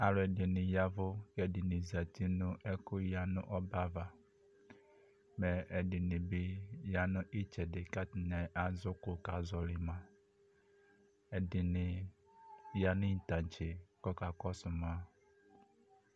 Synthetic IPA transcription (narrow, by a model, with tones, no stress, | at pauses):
a˨lʊ˨ɛ˨dɪ˨nɪ̃˨ja˦vʊ˦kɛ˨dɪ˨nɪ̃˨za˨ti˦nʊ̃˦ʔɛ˦kʊ˦ja˦nʊ̰̃˦ʔɔ˦ba˦va˨ | mɛ˨ɛ˨dɪ˨nɪ̃˨bɪ˦ja˦nʊ̃˦ʔi˦t͡ʃɛ˨dɪ˨ka˦tɪ˨nɛ˨ʔa˨zʊ˦kʊ˨ka˨zɔ˨lɪ˦mã˨ | ɛ˨dɪ˨nɪ̃˨ | ja˦nɪ̃˦n̩˨tã˨n˨t͡ʃʰɪ˨kɔ˦ka˨kɔ˦sʊ˨mã˦